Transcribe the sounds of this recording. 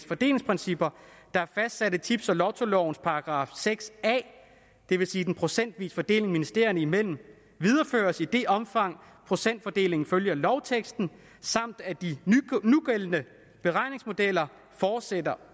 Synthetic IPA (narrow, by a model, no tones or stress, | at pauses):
fɒ̽d̥e̝̰ːle̝ŋspʰʁɛnsib̥ɐd̥ɑ̈æɐfæsd̥sæɾət͡sʰib̥sɒ̽lɒʊt͡sʰo̝lɒʊnspʰɑ̈ɑ̈ɡ̥ʁɑ̈ːfseɡ̥sɛ̰ː | d̥e̝ʋe̝siːd̥enpʰʁo̝sen̰d̥ʋḭːsfɒ̽d̥e̝̰ːle̝ŋminisd̥e̝ɐjnəimel̰m̩ | ʋið̞ˠɐfø̰ːɐsid̥e̝ʔɒ̽mfɑ̈ŋ̰ | pʰʁo̝sen̰d̥fɒd̥e̝̰ːle̝ŋn̩føljɐlɒ̽ʊt͡sʰeɡ̥sd̥n̩ | sɑ̈m̰d̥æd̥inuɡ̥elənə | b̥e̝ʁɑ̈ɪne̝ŋsmo̝d̥el̰ɐ | fɒːd̥sed̥ɐ